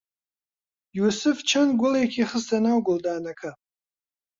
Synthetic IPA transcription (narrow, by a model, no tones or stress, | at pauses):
juːsɨft͡ʃʰɐnɡʷʊlekʰʲiχəstʰɐnawɡʷʊldaːnɐkʰɐ